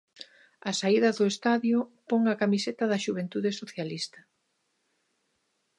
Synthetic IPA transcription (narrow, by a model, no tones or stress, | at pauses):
ɐsaiðɐðʊest̪aðjʊpoŋɐkamiset̪ɐðɐʃuβ̞ent̪uðesoθjalist̪ɐ̥